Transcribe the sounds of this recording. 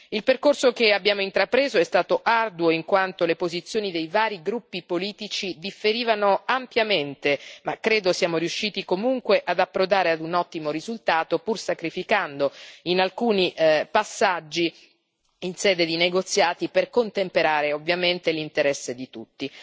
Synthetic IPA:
ilperkorsokeabːjaːmoint̪ɾapɾeːzoɛst̪aːt̪oʔard̪uwoiŋkwant̪olepozit̪sːjoːnid̪ejvaːɾiɡɾupːipoliːt̪it͡ʃid̪ifːeɾiːvanoampjament̪emakːɾeːd̪osjaːmoɾijuʃːiːt̪ikomuŋkweʔad̪apːɾod̪aːɾead̪unɔt̪ːimoɾizult̪aːt̪opursakɾifikand̪oinalkuːniʔpasːad͡ʒːi | insɛːd̪ed̪ineɡot̪sːjaːt̪iperkont̪empeɾaːɾeovːjament̪elint̪eɾɛsːed̪it̪ut̪ːi

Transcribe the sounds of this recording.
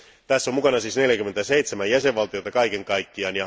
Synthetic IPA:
t̪æsːomukɑnɑsiːsne̞ljækymːent̪æseit̪semæjjæseʋʋɑlt̪ijot̪ɑkɑikeŋkɑikːiɑːnjɑ

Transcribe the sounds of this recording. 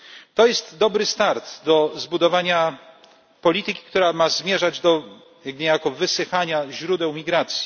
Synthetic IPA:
t̪ɔjɛst̪d̪ɔbɾɘst̪aɾt̪d̪ɔzbud̪ɔvaɲa | pɔlʲit̪ɘkʲi̥kt̪uɾamazmʲjɛʐad͡ʑd̪ɔ | aɡɲejakɔvɘsɘxaɲaʑɾud̪ɛwmʲiɡɾat̪sʲji̥

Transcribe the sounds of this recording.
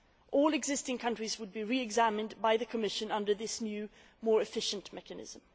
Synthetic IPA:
ʔɔlˠɨɡzɪstɪ̃ŋkʰʌ̃nt͡ʃɹ̥izwəd̚biɹiɨɡzæmɨ̃nbaɪðɨkʰəmɪʃɨ̃nʌ̃ndə˞ðɪsnjʉ | mɔːɹɨfɪʃɨ̃nʔmɛkɨnɪ̰z̥ə̃m

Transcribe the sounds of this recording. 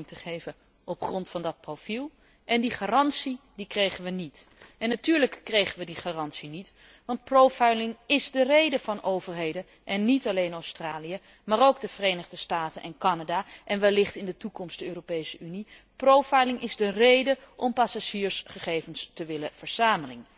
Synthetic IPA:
ŋtəχejvə | ɔpχrɔntfɑndɑt̚profilˠ | ʔɛndiχaːrɑntsidikrejχənʋənitɛnːatyːɹləkːrejχənʋədiχaːrɑnsinit | ʋɑnt̚prowfajlɪŋɪzdərejdəvɑnʔowvəɹɦejdə | ʔɛnːitɑlejnowstraːlijə | maːrowɡ̚dəv̥ərejnəχdəstaːtənʔɛnkɑnadaːʔɛnʋɛlɪχtɪndətukɔmstdəøːropejsəyni | prowfajlɪŋʔɪzdərejdəʔɔmpasaʒiːɹsχəχejvənstəʋɪləv̥əɹz̥aːməlɪŋ

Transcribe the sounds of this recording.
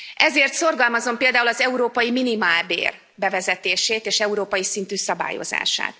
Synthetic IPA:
ɛzeːrt̪so̞rɡɒlmɒzo̞mpeːld̪aːulɒzɛuɾoːpɒjiminimaːlbḛːr | bɛvɛzɛt̪eːʃeːt̪eːʃɛuɾoːpɒjisint̪yːsɒba̰ːjo̞̰za̰ːʃa̰ːt̪

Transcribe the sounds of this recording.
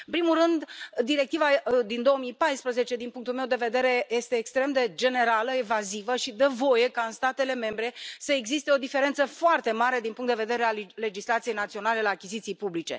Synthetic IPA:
ɨɨmpɾimulrɨnd̪d̪iɾe̞k̚t̪ivad̪ind̪o̞omijpajspɾəze̞t͡ʃe̞d̪inpuŋkt̪ulme̞wd̪e̞ve̞d̪e̞ɾe̞je̞st̪e̞ːkst̪ɾe̞md̪e̞d͡ʒe̞ne̞ɾaləevazivəʃid̪əvo̞je̞kaɨnst̪at̪e̞le̞me̞mbɾe̞səeɡzist̪e̞o̞d̪ife̞ɾe̞nt̪səfoart̪e̞maɾe̞d̪inpuŋkt̪d̪eve̞d̪e̞ɾealle̞d͡ʒislat̪sijejnat̪sio̞nale̞laːkʲizit̪sijpublit͡ʃe̞̰

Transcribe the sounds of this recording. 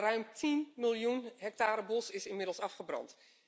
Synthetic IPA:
rœɥmtʰinmɪlˠjunɦɛk̚taːɾəbɔsɪsɪnmɪdəl̩ˠsɑfχəbrɑ̰nt

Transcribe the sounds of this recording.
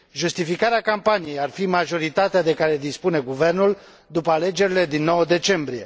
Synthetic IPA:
ʒust̪ifikaɾeakampanije̞jarfimaʒo̞ɾit̪at̪ead̪e̞kaɾe̞d̪ispune̞ɡuve̞rnul | d̪upəale̞d͡ʒe̞ɾile̞d̪inːo̞wəd̪e̞t͡ʃe̞mbɾije̞

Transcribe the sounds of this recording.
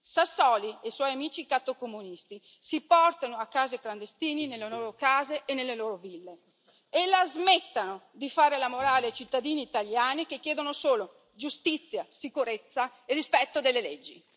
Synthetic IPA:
sasːɔlieswɔjamiːt͡ʃikat̪ːokomunist̪i | sipɔrt̪anoakːaːzekland̪est̪iːninelːeloːɾokaːzeʔːnelːeloːɾovilːe | elːazmɛt̪ːanod̪ifaːɾelamoɾaːlejt͡ʃit̪ːad̪iːniːt̪aljaːnikekːjɛːd̪onosoːlo | d͡ʒust̪it̪sːjasikuɾet̪sːaerispɛt̪ːod̪elːelɛd͡ʒːi

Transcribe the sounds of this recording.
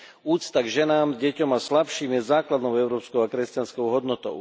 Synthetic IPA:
uːst̪aɡʒɛnaːmɟɛcɔmaslapʃiːmjɛzaːklad̪nɔʊɛʊɾɔːpskɔʊakɾɛscanskɔʊɦɔd̪nɔt̪ɔ̰ʊ

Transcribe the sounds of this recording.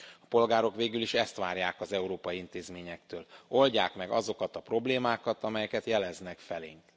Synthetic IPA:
ɒ̥po̞lɡaːɾo̞kʋeːɡyliʃɛst̪ʋaːɾjaːkɒzɛuɾoːpɒjiint̪eːzmeːɲɛkt̪øːlo̞lɟaːkmɛɡɒ̰zo̞kɒt̪ɒpro̞bleːmaːkɒt̪ɒmɛjɛkɛt̪jɛlɛznɛkfɛleːŋk

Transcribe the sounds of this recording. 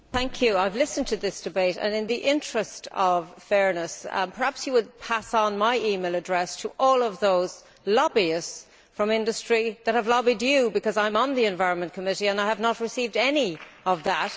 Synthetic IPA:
θæ̃ŋkʰjɨaɪvlɪsə̃ntʰɨðɪsd̥ɨbeɪɾə̰̃nɨ̃nðiʔɪ̃nt͡ʃɹ̥ɨstʰʌv̥fɛɹnəspʰə˞hæpsjɨwəd̚pʰæsn̩maɪʔimeɪlˠədɹɛstʰəʔɔːlˠʌvðoʊz̥ | lɑbiɨs | fɹʌ̃mɪ̃ndɨstɹ̥iðət̚həvlɑbidjɨbɨkʌzãɪ̃mə̃nðiɨ̃ɱvaɪɹə̃nmə̃nkʰəmɪɾiə̃naɪəvnət̚ɹɨsiːvdɛniʌvðət̚

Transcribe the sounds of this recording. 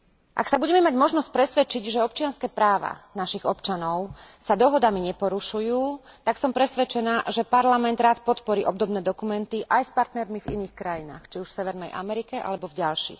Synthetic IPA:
ʔa̰ksabuɟɛmɛmaɟmɔʒnɔsc̚pɾɛsʋɛt͡ʃiɟʒɛɔp̚t͡ʃɪanskɛːpɾaːʋa̰naʃiɣɔpt͡ʃanɔʊsad̪ɔɦɔd̪amiɲɛpɔɾuʃujuːt̪aksɔmpɾɛsʋɛt͡ʃɛnaːʒɛpaɾlamɛnd̪ɾaːt̪pɔt̪pɔɾiːʔɔbd̪ɔbnɛːd̪ɔkumɛnt̪iʔajspaɾt̪nɛɾmivḭniːxkɾajina̰ːxt͡ʃiuʃfsɛʋɛɾnɛjʔa̰mɛɾikɛʔa̰lɛbɔvɟalʃḭːx

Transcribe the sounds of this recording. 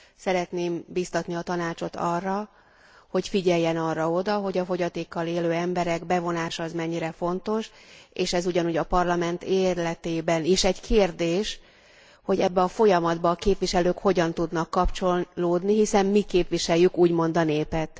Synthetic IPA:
sɛɾɛt̪neːmbist̪ɒt̪niɒt̪ɒnaːt͡ʃo̞t̪ʰɒ̰rːɒ | ho̞cfiɟɛjːɛnɒrːɒo̞d̪ɒɦo̞ɟɒfo̞ɟɒt̪eːkːɒleːløːɛmbɛɾɛɡbɛvo̞naːʃɒːzmɛɲːiɾɛfo̞nt̪o̞ʃeːʃɛzuɟɒnuːɟɒpɒrlɒmɛnt̪eːrlɛt̪eːbɛniʃɛɟkʰeːrd̪eːʃ | ho̞ɟɛbːɛɒfo̞jɒmɒd̪bɒːkeːpʋiʃɛløːkho̞ɟɒnt̪ud̪nɒkːɒpt͡ʃo̞lloːd̪niɦisɛmːikeːpʋiʃɛjːykuːɟmo̞nd̪ɒneːpɛt̪

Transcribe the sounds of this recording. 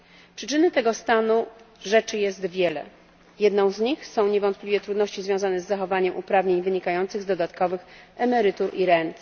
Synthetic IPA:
pʂɘt͡ʂɘnɘt̪ɛɡɔst̪anuʐɛt͡ʂɘjɛst̪vʲjɛlɛ̰ | jɛd̪nɔ̃w̃zɲixsɔ̃w̃ɲɛvɔnt̪̚pʲlʲivʲjɛt̪ɾud̪nɔɕt͡ɕizvʲjɔ̃w̃zanɛzːaxɔvaɲɛmʔupɾavɲeɲvɘɲikajɔnt̪sɘɣzd̪ɔd̪at̪kɔvɘxɛmɛɾɘt̪uɾiɾɛnt̪

